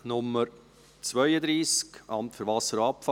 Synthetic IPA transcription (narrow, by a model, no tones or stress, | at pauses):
nʊmːəɾ | t͡svœʏəd̪ɾiːskʔɑmtfʏɾvɑsəɾɑpfɑ